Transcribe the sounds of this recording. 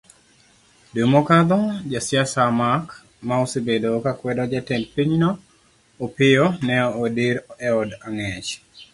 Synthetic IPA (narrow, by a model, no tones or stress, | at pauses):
dumɔkad̪ɔd͡ʒasjasamak | maosebedokakwɛdɔd͡ʒatɛnpiɲnɔː | pɪjonɛɔodiɾɛɔdaŋɛt͡ʃ